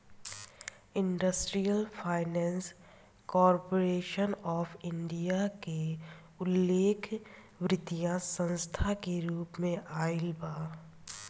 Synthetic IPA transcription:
ɪ̃ɳɖəsʈɾijəlpʰaːɪnɛ̃ːns | kɔːɾpoɾeːʃənɔːfɪ̃ɳɖijake | ʊlːeːkʰ | ʋɾɪt̪ijãsə̃nst̪ʰakeɾuːpmẽʔaːɪlbaː

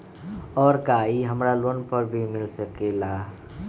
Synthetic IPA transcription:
ɔɾkaiɦəmɾalonpəɾbʱimilsəkela

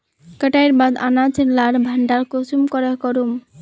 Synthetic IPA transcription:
kəʈaeɾbad̪a̰nat͡ɕʰelːaɾbʱaɳɖaɾkosumkɔɾekɔɾum

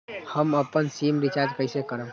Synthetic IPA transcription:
həməpːənsimɾit͡ʃad͡ʒkəjsekəɾə̃m

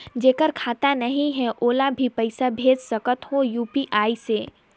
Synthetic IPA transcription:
d͡ʒeːkəɾkʰaːt̪anəɦĩɦɛʔoːlabʱipəɪsabʱeːd͡ʒsəkət̪ɦojuːpiʔaːiseː

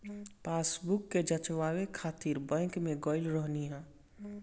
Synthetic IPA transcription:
paːsbukːed͡ʒət͡ʃʋawekʰaːt̪iɾbə̃kmẽɡɔːɪlɾəɦniɦɛ̃ː

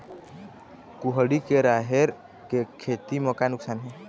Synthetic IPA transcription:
kuɦɽikeɾaɦeɾ | kekʰet̪iməkanʊksaːnɦɛ

